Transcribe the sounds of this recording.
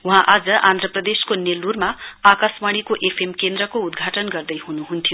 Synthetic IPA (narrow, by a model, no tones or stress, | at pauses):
uɦãʔad͡zʌʔãnd̪ʱɾʌprʌd̪eskonelurmaakasmaɽ̃ikoʔepʰemkend̪ɾʌkoud̪ɡʱaʈʌnɡʌrd̪ʌjhunuɦunt̪ʰijo